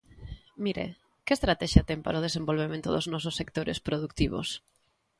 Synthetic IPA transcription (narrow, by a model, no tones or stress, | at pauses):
miɾḛ | kest̪ɾat̪ɛʃjat̪ɛmpa̰ɾaoðesembolβemẽnt̪ʊðoznɔsʊsːek̚t̪oɾḛspɾoðukt̪iβo̰s